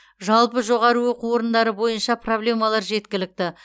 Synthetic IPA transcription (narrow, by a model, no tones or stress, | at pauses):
ʒɑlˠpəʒo̞ʁɑɾəwoquwo̞ɾənd̪ɑɾəbo̞jənʃɑpro̞blʲe̞mɑlˠɑɾʒe̞t̪kʲɪlɪk̚t̪ɪ